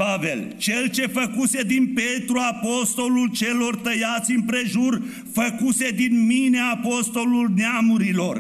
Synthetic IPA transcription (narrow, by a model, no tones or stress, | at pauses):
pave̞lt͡ʃe̞lt͡ʃe̞fəkuse̞d̪inpe̞t̪ɾuapo̞st̪o̞lult͡ʃe̞lo̞rt̪əjat̪sʲɨnpɾe̞ʒur | fəkuse̞d̪inmineaːpo̞st̪o̞lulneamuɾilo̞r